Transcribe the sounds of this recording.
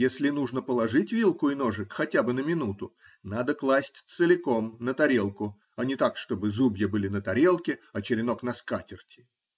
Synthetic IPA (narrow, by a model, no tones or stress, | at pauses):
jesʲlʲɪnuʐnəpəlˠɐʐɨtʲvʲilˠkʊɪno̞ʐɨkxɐtʲabɨnəmʲɪnut̪ʊ | nad̪əklˠasʲtʲt̪sɨlʲɪko̞mnət̪ɐɾʲe̞lˠkʊ | ɐnʲɪt̪akʂt̪o̞bɨzubʲjəbɨlʲɪnət̪ɐɾʲe̞lˠkʲɪɐt͡ɕɪɾʲɪno̞knɐskatʲɪrtʲɪ̥